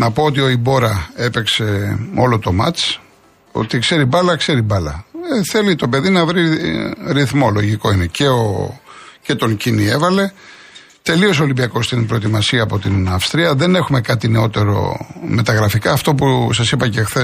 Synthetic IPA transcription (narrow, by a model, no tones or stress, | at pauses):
nɐpo̞ot̪io̞ibo̞ɾɐe̞pe̞kse̞o̞lo̞t̪o̞mɐt͡s | o̞̰t̪ikse̞ɾibɐlɐkse̞ɾibɐlɐ̰eθe̞lit̪o̞pe̞ðinɐvɾiɾiθmo̞lo̞ʝiko̞ine̞ceo̰ | ce̞t̪o̞ŋcinie̞vɐle̞ | t̪e̞lio̞s̬olimbiɐko̞st̪inbɾo̞et̪imɐsiɐːpo̞t̪inɐfst̪ɾiɐðe̞ne̞xume̞kɐt̪ine̞o̞t̪e̞ɾo̞̰me̞t̪ɐɣɾɐfikɐːft̪o̞pusɐsipɐce̞xθe